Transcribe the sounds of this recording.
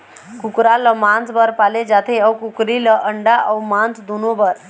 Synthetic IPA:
kukɾaləmãnt͡sbəɾpaled͡zat̪ʰeəwkukɾiləʔəɳɖaʔəwmant͡sd̪unobəɾ

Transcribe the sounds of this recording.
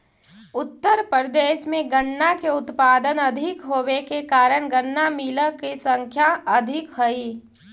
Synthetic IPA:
ʊt̪ːəɾpɾəd̪eːʃmẽɡəɳːakeʊt̪paːd̪ənɐd̪ʱɪkɦoːwekekaːɾəɽ̃ɡəɳːamiːləkisə̃ŋkʰjaɐd̪ʱɪkɦoi

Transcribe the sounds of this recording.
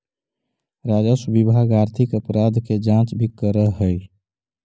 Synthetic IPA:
ɾaːd͡ʒəsubibʱaːɡaːɾt̪ʰɪkəpɾaːd̪ked͡ʒãːt͡ʃbʱikəɾəɦɦəj

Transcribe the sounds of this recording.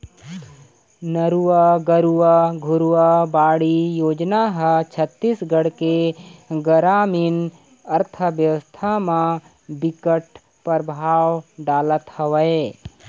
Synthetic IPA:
nəɾuwəɡəɾuʋəɡʱʊɾuwəbaːɽijoːd͡ʒnaɦət͡ʃʰət̪ːisɡəɽkeɡəɾaːmin | ɐɾt̪ʰəʋjəʋəst̪ʰamã | bɪkəʈ̚ | pəɾbʱaːwɖaːlət̪hɐʋəe

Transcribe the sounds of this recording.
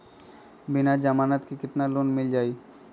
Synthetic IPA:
binad͡ʑamanat̪kikit̪nalonmild͡ʑaj

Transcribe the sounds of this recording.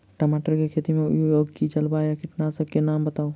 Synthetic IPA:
ʈəmaʈəɾkekʰeːt̪imḛ̃joɡkit͡ʃəlbajakʰɪʈnasəbkenaːmbət̪aːo

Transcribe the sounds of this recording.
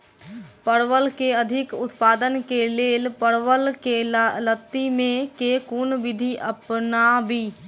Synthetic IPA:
pəɾʋəlkeəd̪ʱɪkʊt̪paːd̪ənkeleːlpəɾʋəlkelət̪ːimẽkekuːnʋɪd̪ʱiʔəpnabʱiː

